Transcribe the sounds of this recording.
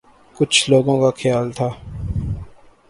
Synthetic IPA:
kʊt͡ʃʰloːɡõkaxʰɪjaːlt̪ʰaː

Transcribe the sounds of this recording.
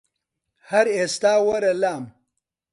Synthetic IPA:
hɐɾeːst̪aːwɐɾɐlaːm

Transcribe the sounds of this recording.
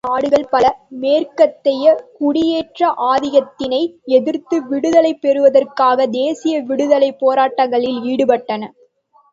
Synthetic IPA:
aːɽɯɣɐɭpɐlɐmeːrkɐt̪ːɛjɐkʊɽɪjeːʈrɐʔaːðɪjɐt̪ːɪnɐɪɛðɪɾt̪ɯʋɪɽɯðɐlɐɪpːɛɾɯʋɐðɐrkaːɣɐd̪eːsɪjɐʋɪɽɯðɐlɐɪpːoːɾaːʈːɐŋɡɐɭɪliːɽɯpɐʈːɐnɐ

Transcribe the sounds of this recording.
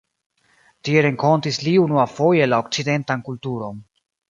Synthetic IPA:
tieɾe̞ŋko̞ntisliunuafo̞je̞lao̞k̚t͡side̞ntankultuɾo̞n

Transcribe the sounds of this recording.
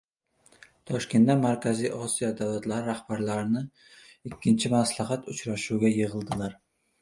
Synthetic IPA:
t̪ʰɒʃkʲe̞nd̪amaɾkʲʰazijʔɒsijɒd̪avlat̪laɾɪɾahb̥aɾlaɾɪnɪ | ɪkʲʰːɪnt͡ʃʰɪmaslaɦat̪ʊt͡ʃɾaʃuwɡʲajɨʁɨlˠd̪ɪlaɾ

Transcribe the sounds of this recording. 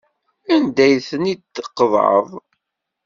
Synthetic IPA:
ænd̪æjθənid̪əqːðˤə̰ðˤ

